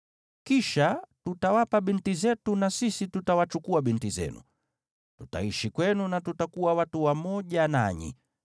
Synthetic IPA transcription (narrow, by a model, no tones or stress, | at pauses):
kiʃatutawapabintizɛtunasisitutawat͡ʃukuabintizɛ̰nṵ | tuta̰iʃikwɛnunatutakuwawatuwamɔʄana̰ɲḭ